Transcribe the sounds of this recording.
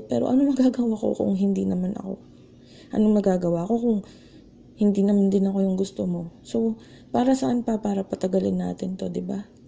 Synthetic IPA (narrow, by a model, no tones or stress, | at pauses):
pɛːɾo̞̰ʔɐ̰nomɐɡaːɡɐwako̞̰kʊ̰ŋɦɪnd̪inɐmanʔɐ̰ko̞̰ | ʔɐ̰noŋmɐɡaːɡɐwaːko̞kʊŋ | hɪnd̪iːnɐmand̪ɪnɐko̞jʊŋɡʊst̪omo̞so̞ | paːɾɐsɐʔanpɐpaːɾɐpɐt̪ɐɡɐlɪnːa̰ːt̪ɪnt̪o̞d̪ɪba